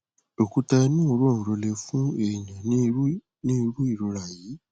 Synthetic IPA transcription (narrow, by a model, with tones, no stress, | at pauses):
lo˨ku˧ta˦˧nũ˦o˨ɾõ˦˨ɾɔ˧lɛ˧fũ˦e˨ɲã˨n˦ | nĩ˦˧ɾu˦i˦˨ɾo˧ɾa˨ji˨˦